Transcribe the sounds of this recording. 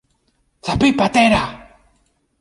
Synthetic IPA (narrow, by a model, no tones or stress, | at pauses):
θapipat̪eɾa